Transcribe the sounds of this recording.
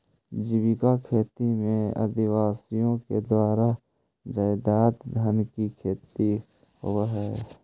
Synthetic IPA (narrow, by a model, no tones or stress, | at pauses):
d͡ʒɪbɪkakʰeːt̪imẽə̰d̪ɪwaːsijõked̪waːɾa | d͡ʒaːɪd̪aːt̪d̪ʱənkikʰeːt̪i | hoɦɛː